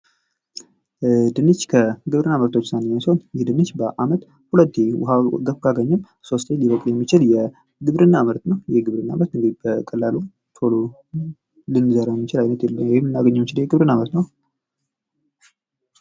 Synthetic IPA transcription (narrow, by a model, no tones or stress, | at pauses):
d̪ɨnːɨt͡ʃːkʰəɡɨβɾɨnːaməɾt̪ʰo̞t͡ʃːsanemasonjɛhd̪ɨnːɨt͡ʃːbəʔamət̪ | hulət̪ːewhaɡəfkʰaɡəɲːɨm | so̞st̪ʰeliβəkʼljɛmːit͡ʃɪljɛ | ɡɨβɾɨnːaməɾt̪nəwjɛɡɨβɾɨnːa̰mət̪ɨŋɡɨd̪ibəkʰʼəlːalu | t̪ʰolo | lɨnɨzəɾajɛmːit͡ʃɪlajnət̪jɛlːəmwɔjɪmːɨnːaɡəɲːɛmːit͡ʃɪljɛɡɨβɾɨnːamət̪nəw